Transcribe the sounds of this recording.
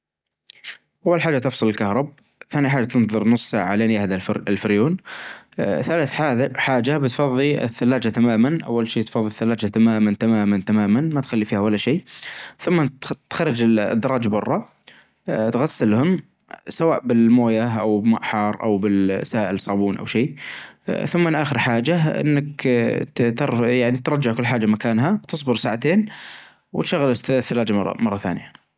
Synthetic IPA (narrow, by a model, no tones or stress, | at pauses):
ʔawːalħaːd͡ʒat̪ɪfsˤɨlɪlkahɾˤɑb̚ | θaːniħaːd͡ʒat̪ɪnðˤɨɾˤnʊsˤsaʕʕaleːnjahd̪aɪlfɪɾjuːn | θalaθħaːħaːd͡ʒabɪt̪fɑðˤːiɪ̰θːalːaːd͡ʒat̪amaːmanʔa̰wːalʃeːt̪fɑðˤːiθːalːaːd͡ʒat̪amaːmant̪amaːmant̪amaːmanmat̪xalːifiːhawalːaʃeːθʊmːat̪xarˤːɪd͡ʒɪ̰d̪ːɑɾˤɑːd͡ʒbɑrˤːɑ | t̪ɣasːɪlhʊm | sawaːʔbɪlmoːjaʔawbmaʔħɑːɾˤʔa̰wbɪlsaːʔɪlsˤɑːbuːnʔa̰wʃeː | θʊmːɪnʔaːxɪɾħaːd͡ʒaʔɪ̰nːak | t̪ɑɾˤjaʕnit̪ɾˤɑd͡ʒːaʕkʊlːħaːd͡ʒːamakaːnɦat̪ɨsˤbʊɾsaːʕat̪eːn | wɪt̪ʃaɣːalɪθːalaːd͡ʒamɑrˤːɑ̰mɑrˤːɑθa̰ːnja